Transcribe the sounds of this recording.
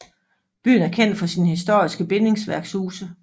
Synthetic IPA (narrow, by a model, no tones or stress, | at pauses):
b̥y̰ːn̩æɐkʰen̰d̥fɒ̽sinhis̬d̥o̝ɐ̰isɡ̥əb̥e̝ne̝ŋsʋæɐɡ̥shuːsə